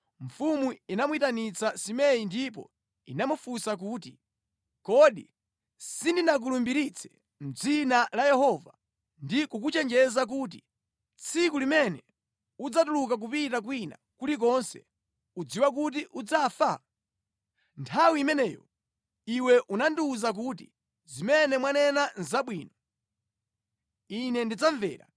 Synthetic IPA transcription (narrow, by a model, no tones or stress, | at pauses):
ɱ̩fumuinamwitanit͡sasimɛjindip̬ɔ̰ | inamufusak̬uːt̬i | kɔɗḭ | sindinak̬ulumbiɾit͡sʰɛ̥ | m̩d͡zinalajɛhɔva | ndikuk̬ut͡ʃɛnd͡ʒɛzak̬uːt̬ḭ | t͡sʰik̬ulimɛnɛ | ud͡zatuluk̬ak̬upitak̬wina̰kulik̬ɔnsɛ̰ | ud͡ziwak̬ut̬iʔud͡zafa | ntʰawiːmɛnɛːjɔ̰ | iwɛʔunandiuzak̬uːtḭ | zimɛnɛmwanɛnanzaɓwiːnɔ | inɛndid͡zaɱvɛ̰ːɾa̰